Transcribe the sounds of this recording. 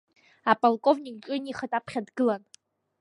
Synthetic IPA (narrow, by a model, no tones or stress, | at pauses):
apʼolkʼo̞vnʲikʼt͡ʃʲʼɪniχatʼapʰχʲadɡɨlan